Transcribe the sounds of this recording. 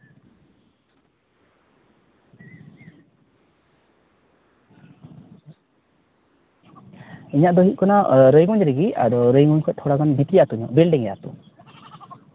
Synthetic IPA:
iɲaʔd̪ɔɦit̪̚kɔnaɾəjɡuɲɾɛɡia̰d̪ɔɾəjɡuɲkʰɔt̪ʰɔɽaɡanbit̪ɾijat̪uɲɔ̰ʔbilɖɛŋɛja̰t̪ṵ

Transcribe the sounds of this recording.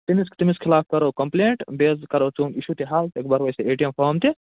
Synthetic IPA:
t̪imiskt̪imiskʰɪlaːfkɐɾokɐmpleːɳʈbeːzkɐɾoːt͡ʃuːniʃut̪iɦaːlt̪ekbaɾʋɐjseeːʈijɐmpʰoːmt̪i

